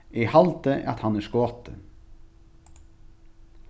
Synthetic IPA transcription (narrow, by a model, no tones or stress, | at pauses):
iːhɑlt̪əʔɑ̰t̪hɑnæːʃkoːt̪ə̰